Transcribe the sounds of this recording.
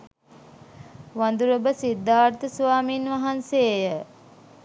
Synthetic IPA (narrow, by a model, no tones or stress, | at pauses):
ʋand̪uɾəbəsid̪ːaːɾt̪əsʋaːminʋaɦanseːjə